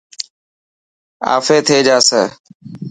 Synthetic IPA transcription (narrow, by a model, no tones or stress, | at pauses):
a̰ːfeːt̪ʰeːd͡ʒaːsə